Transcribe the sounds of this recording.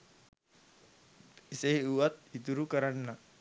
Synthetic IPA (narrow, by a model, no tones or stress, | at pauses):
iseɦiuʋat̪̚it̪uɾukəɾanːa